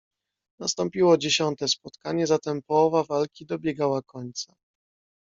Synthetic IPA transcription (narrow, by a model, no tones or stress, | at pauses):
nast̪ɔmpʲiwɔd͡ʑeɕɔnt̪ɛspɔt̪kaɲɛzat̪ɛmpɔwɔvavalkʲid̪ɔbʲjɛɡawakɔɲt̪sa